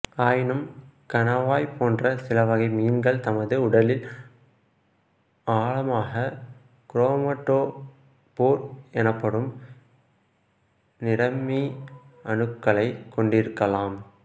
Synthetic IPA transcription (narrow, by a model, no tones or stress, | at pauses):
aːjɪnɯmkɐnɐʋaːjpoːndrɐsɪlɐʋɐɣɐɪmiːnɡɐɭt̪ɐmɐðɯʊɽɐlɪl | aːɭɐmaːɣɐ | kɾoːmɐʈːoː | poːɾɛnɐpːɐɽɯm | nɪɽɐmiɐɳɯkːɐɭɐɪkːɔɳɖɪɾɯkːɐlaːm